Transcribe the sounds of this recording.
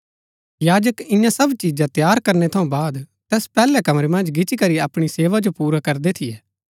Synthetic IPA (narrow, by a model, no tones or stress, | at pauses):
jaːd͡ʒəkɪ̃jãsɐbt͡ʃiːd͡ʒãt̪jaːɾkɐɾnet̪ʰɐũbaːd̪t̪ɛːspɛːlɛkɐmɾemɐ̃nd͡ʒɡɪt͡ʃikɐɾiɐpɽ̃iseːʋad͡ʒopuːɾakɐɾd̪et̪ʰɪjɛː